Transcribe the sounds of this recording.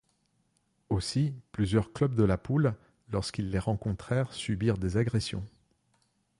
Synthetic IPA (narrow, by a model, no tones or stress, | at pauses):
osiplyzjœʁklœbd̪əlapulː | ɔʁskʲilːeʁɑ̃kɔ̃t̪χɛʁsybiʁd̪ezaɡʁesjɔ̰̃